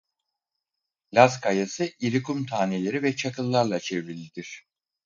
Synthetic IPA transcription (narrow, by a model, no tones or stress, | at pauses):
lʲaskʰajasɯʔiɾikumt̪ʰaːnelʲe̞ɾivɛt͡ʃʰakʰɯlˠːaɾlˠat͡ʃʰɛvɾilʲːid̪iɾ̝̥